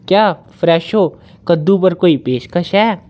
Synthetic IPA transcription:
kjaː | fɾɛːʃoː | kəd̪ũp̬əɾkoːipeːʃkəʃɛː

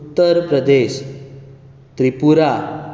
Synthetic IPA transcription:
t̪ːəɾpɾəd̪eɕ | t̪ɾipuɾa

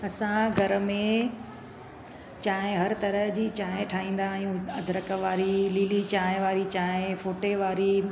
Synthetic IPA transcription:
ɐsãɡʱɐɾ̆mẽ | t͡ɕaːɦɪ̃ɦɐɾt̪ɐɾəɦd͡ʑiːt͡ɕaːɦẽʈʰaːɦĩːn̆d̪ajũɐd̪ʱɾəkəʋaːɾiliːlit͡ɕaːɦɪ̃ʋaːɾit͡ɕaːɪ̃foːʈeʋaːɾi

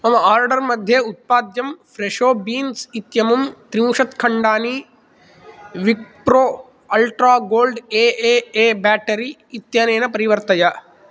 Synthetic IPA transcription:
ɐmɐaːɾɖɐɾmɐd̪ʱjɐut̪̚paːd̪jɐmfɾeʃoːbiːnsit̪jɐmumt̪ɾiũːʃɐt̪kʰɐɳɖaːni | ʋikpɾoː | ɐlʈɾaːɡoːlɖeːeːeːbæːʈɐɾiːt̪jaːneːnɐpɐɾiʋɐɾt̪ɐja

